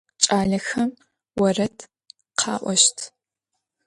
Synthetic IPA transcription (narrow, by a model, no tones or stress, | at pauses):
t͡ʃʼaːɮɐxɐm | wɐrɐtʰ | qʰɑːʔʷɔʃtʰ